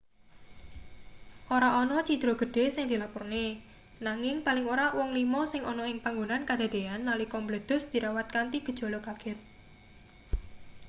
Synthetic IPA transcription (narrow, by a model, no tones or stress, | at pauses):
ʔoɾaʔɔnɔt͡ʃid̪̥ɾoɡ̥ə̤ɖ̥e̤sɪŋd̪̥i̤lapʊrne | naŋɪŋpalɪŋoɾawɔŋlimɔsɪŋʔɔnɔɪŋpaŋɡonankad̪̥e̤d̪̥e̤anːalikɔmbled̪̥ʊ̤sd̪̥iɾʔawat̪̚kant̪iɡ̥ə̤d̥ʒ̥o̤lokaɡ̥ɛt̪̚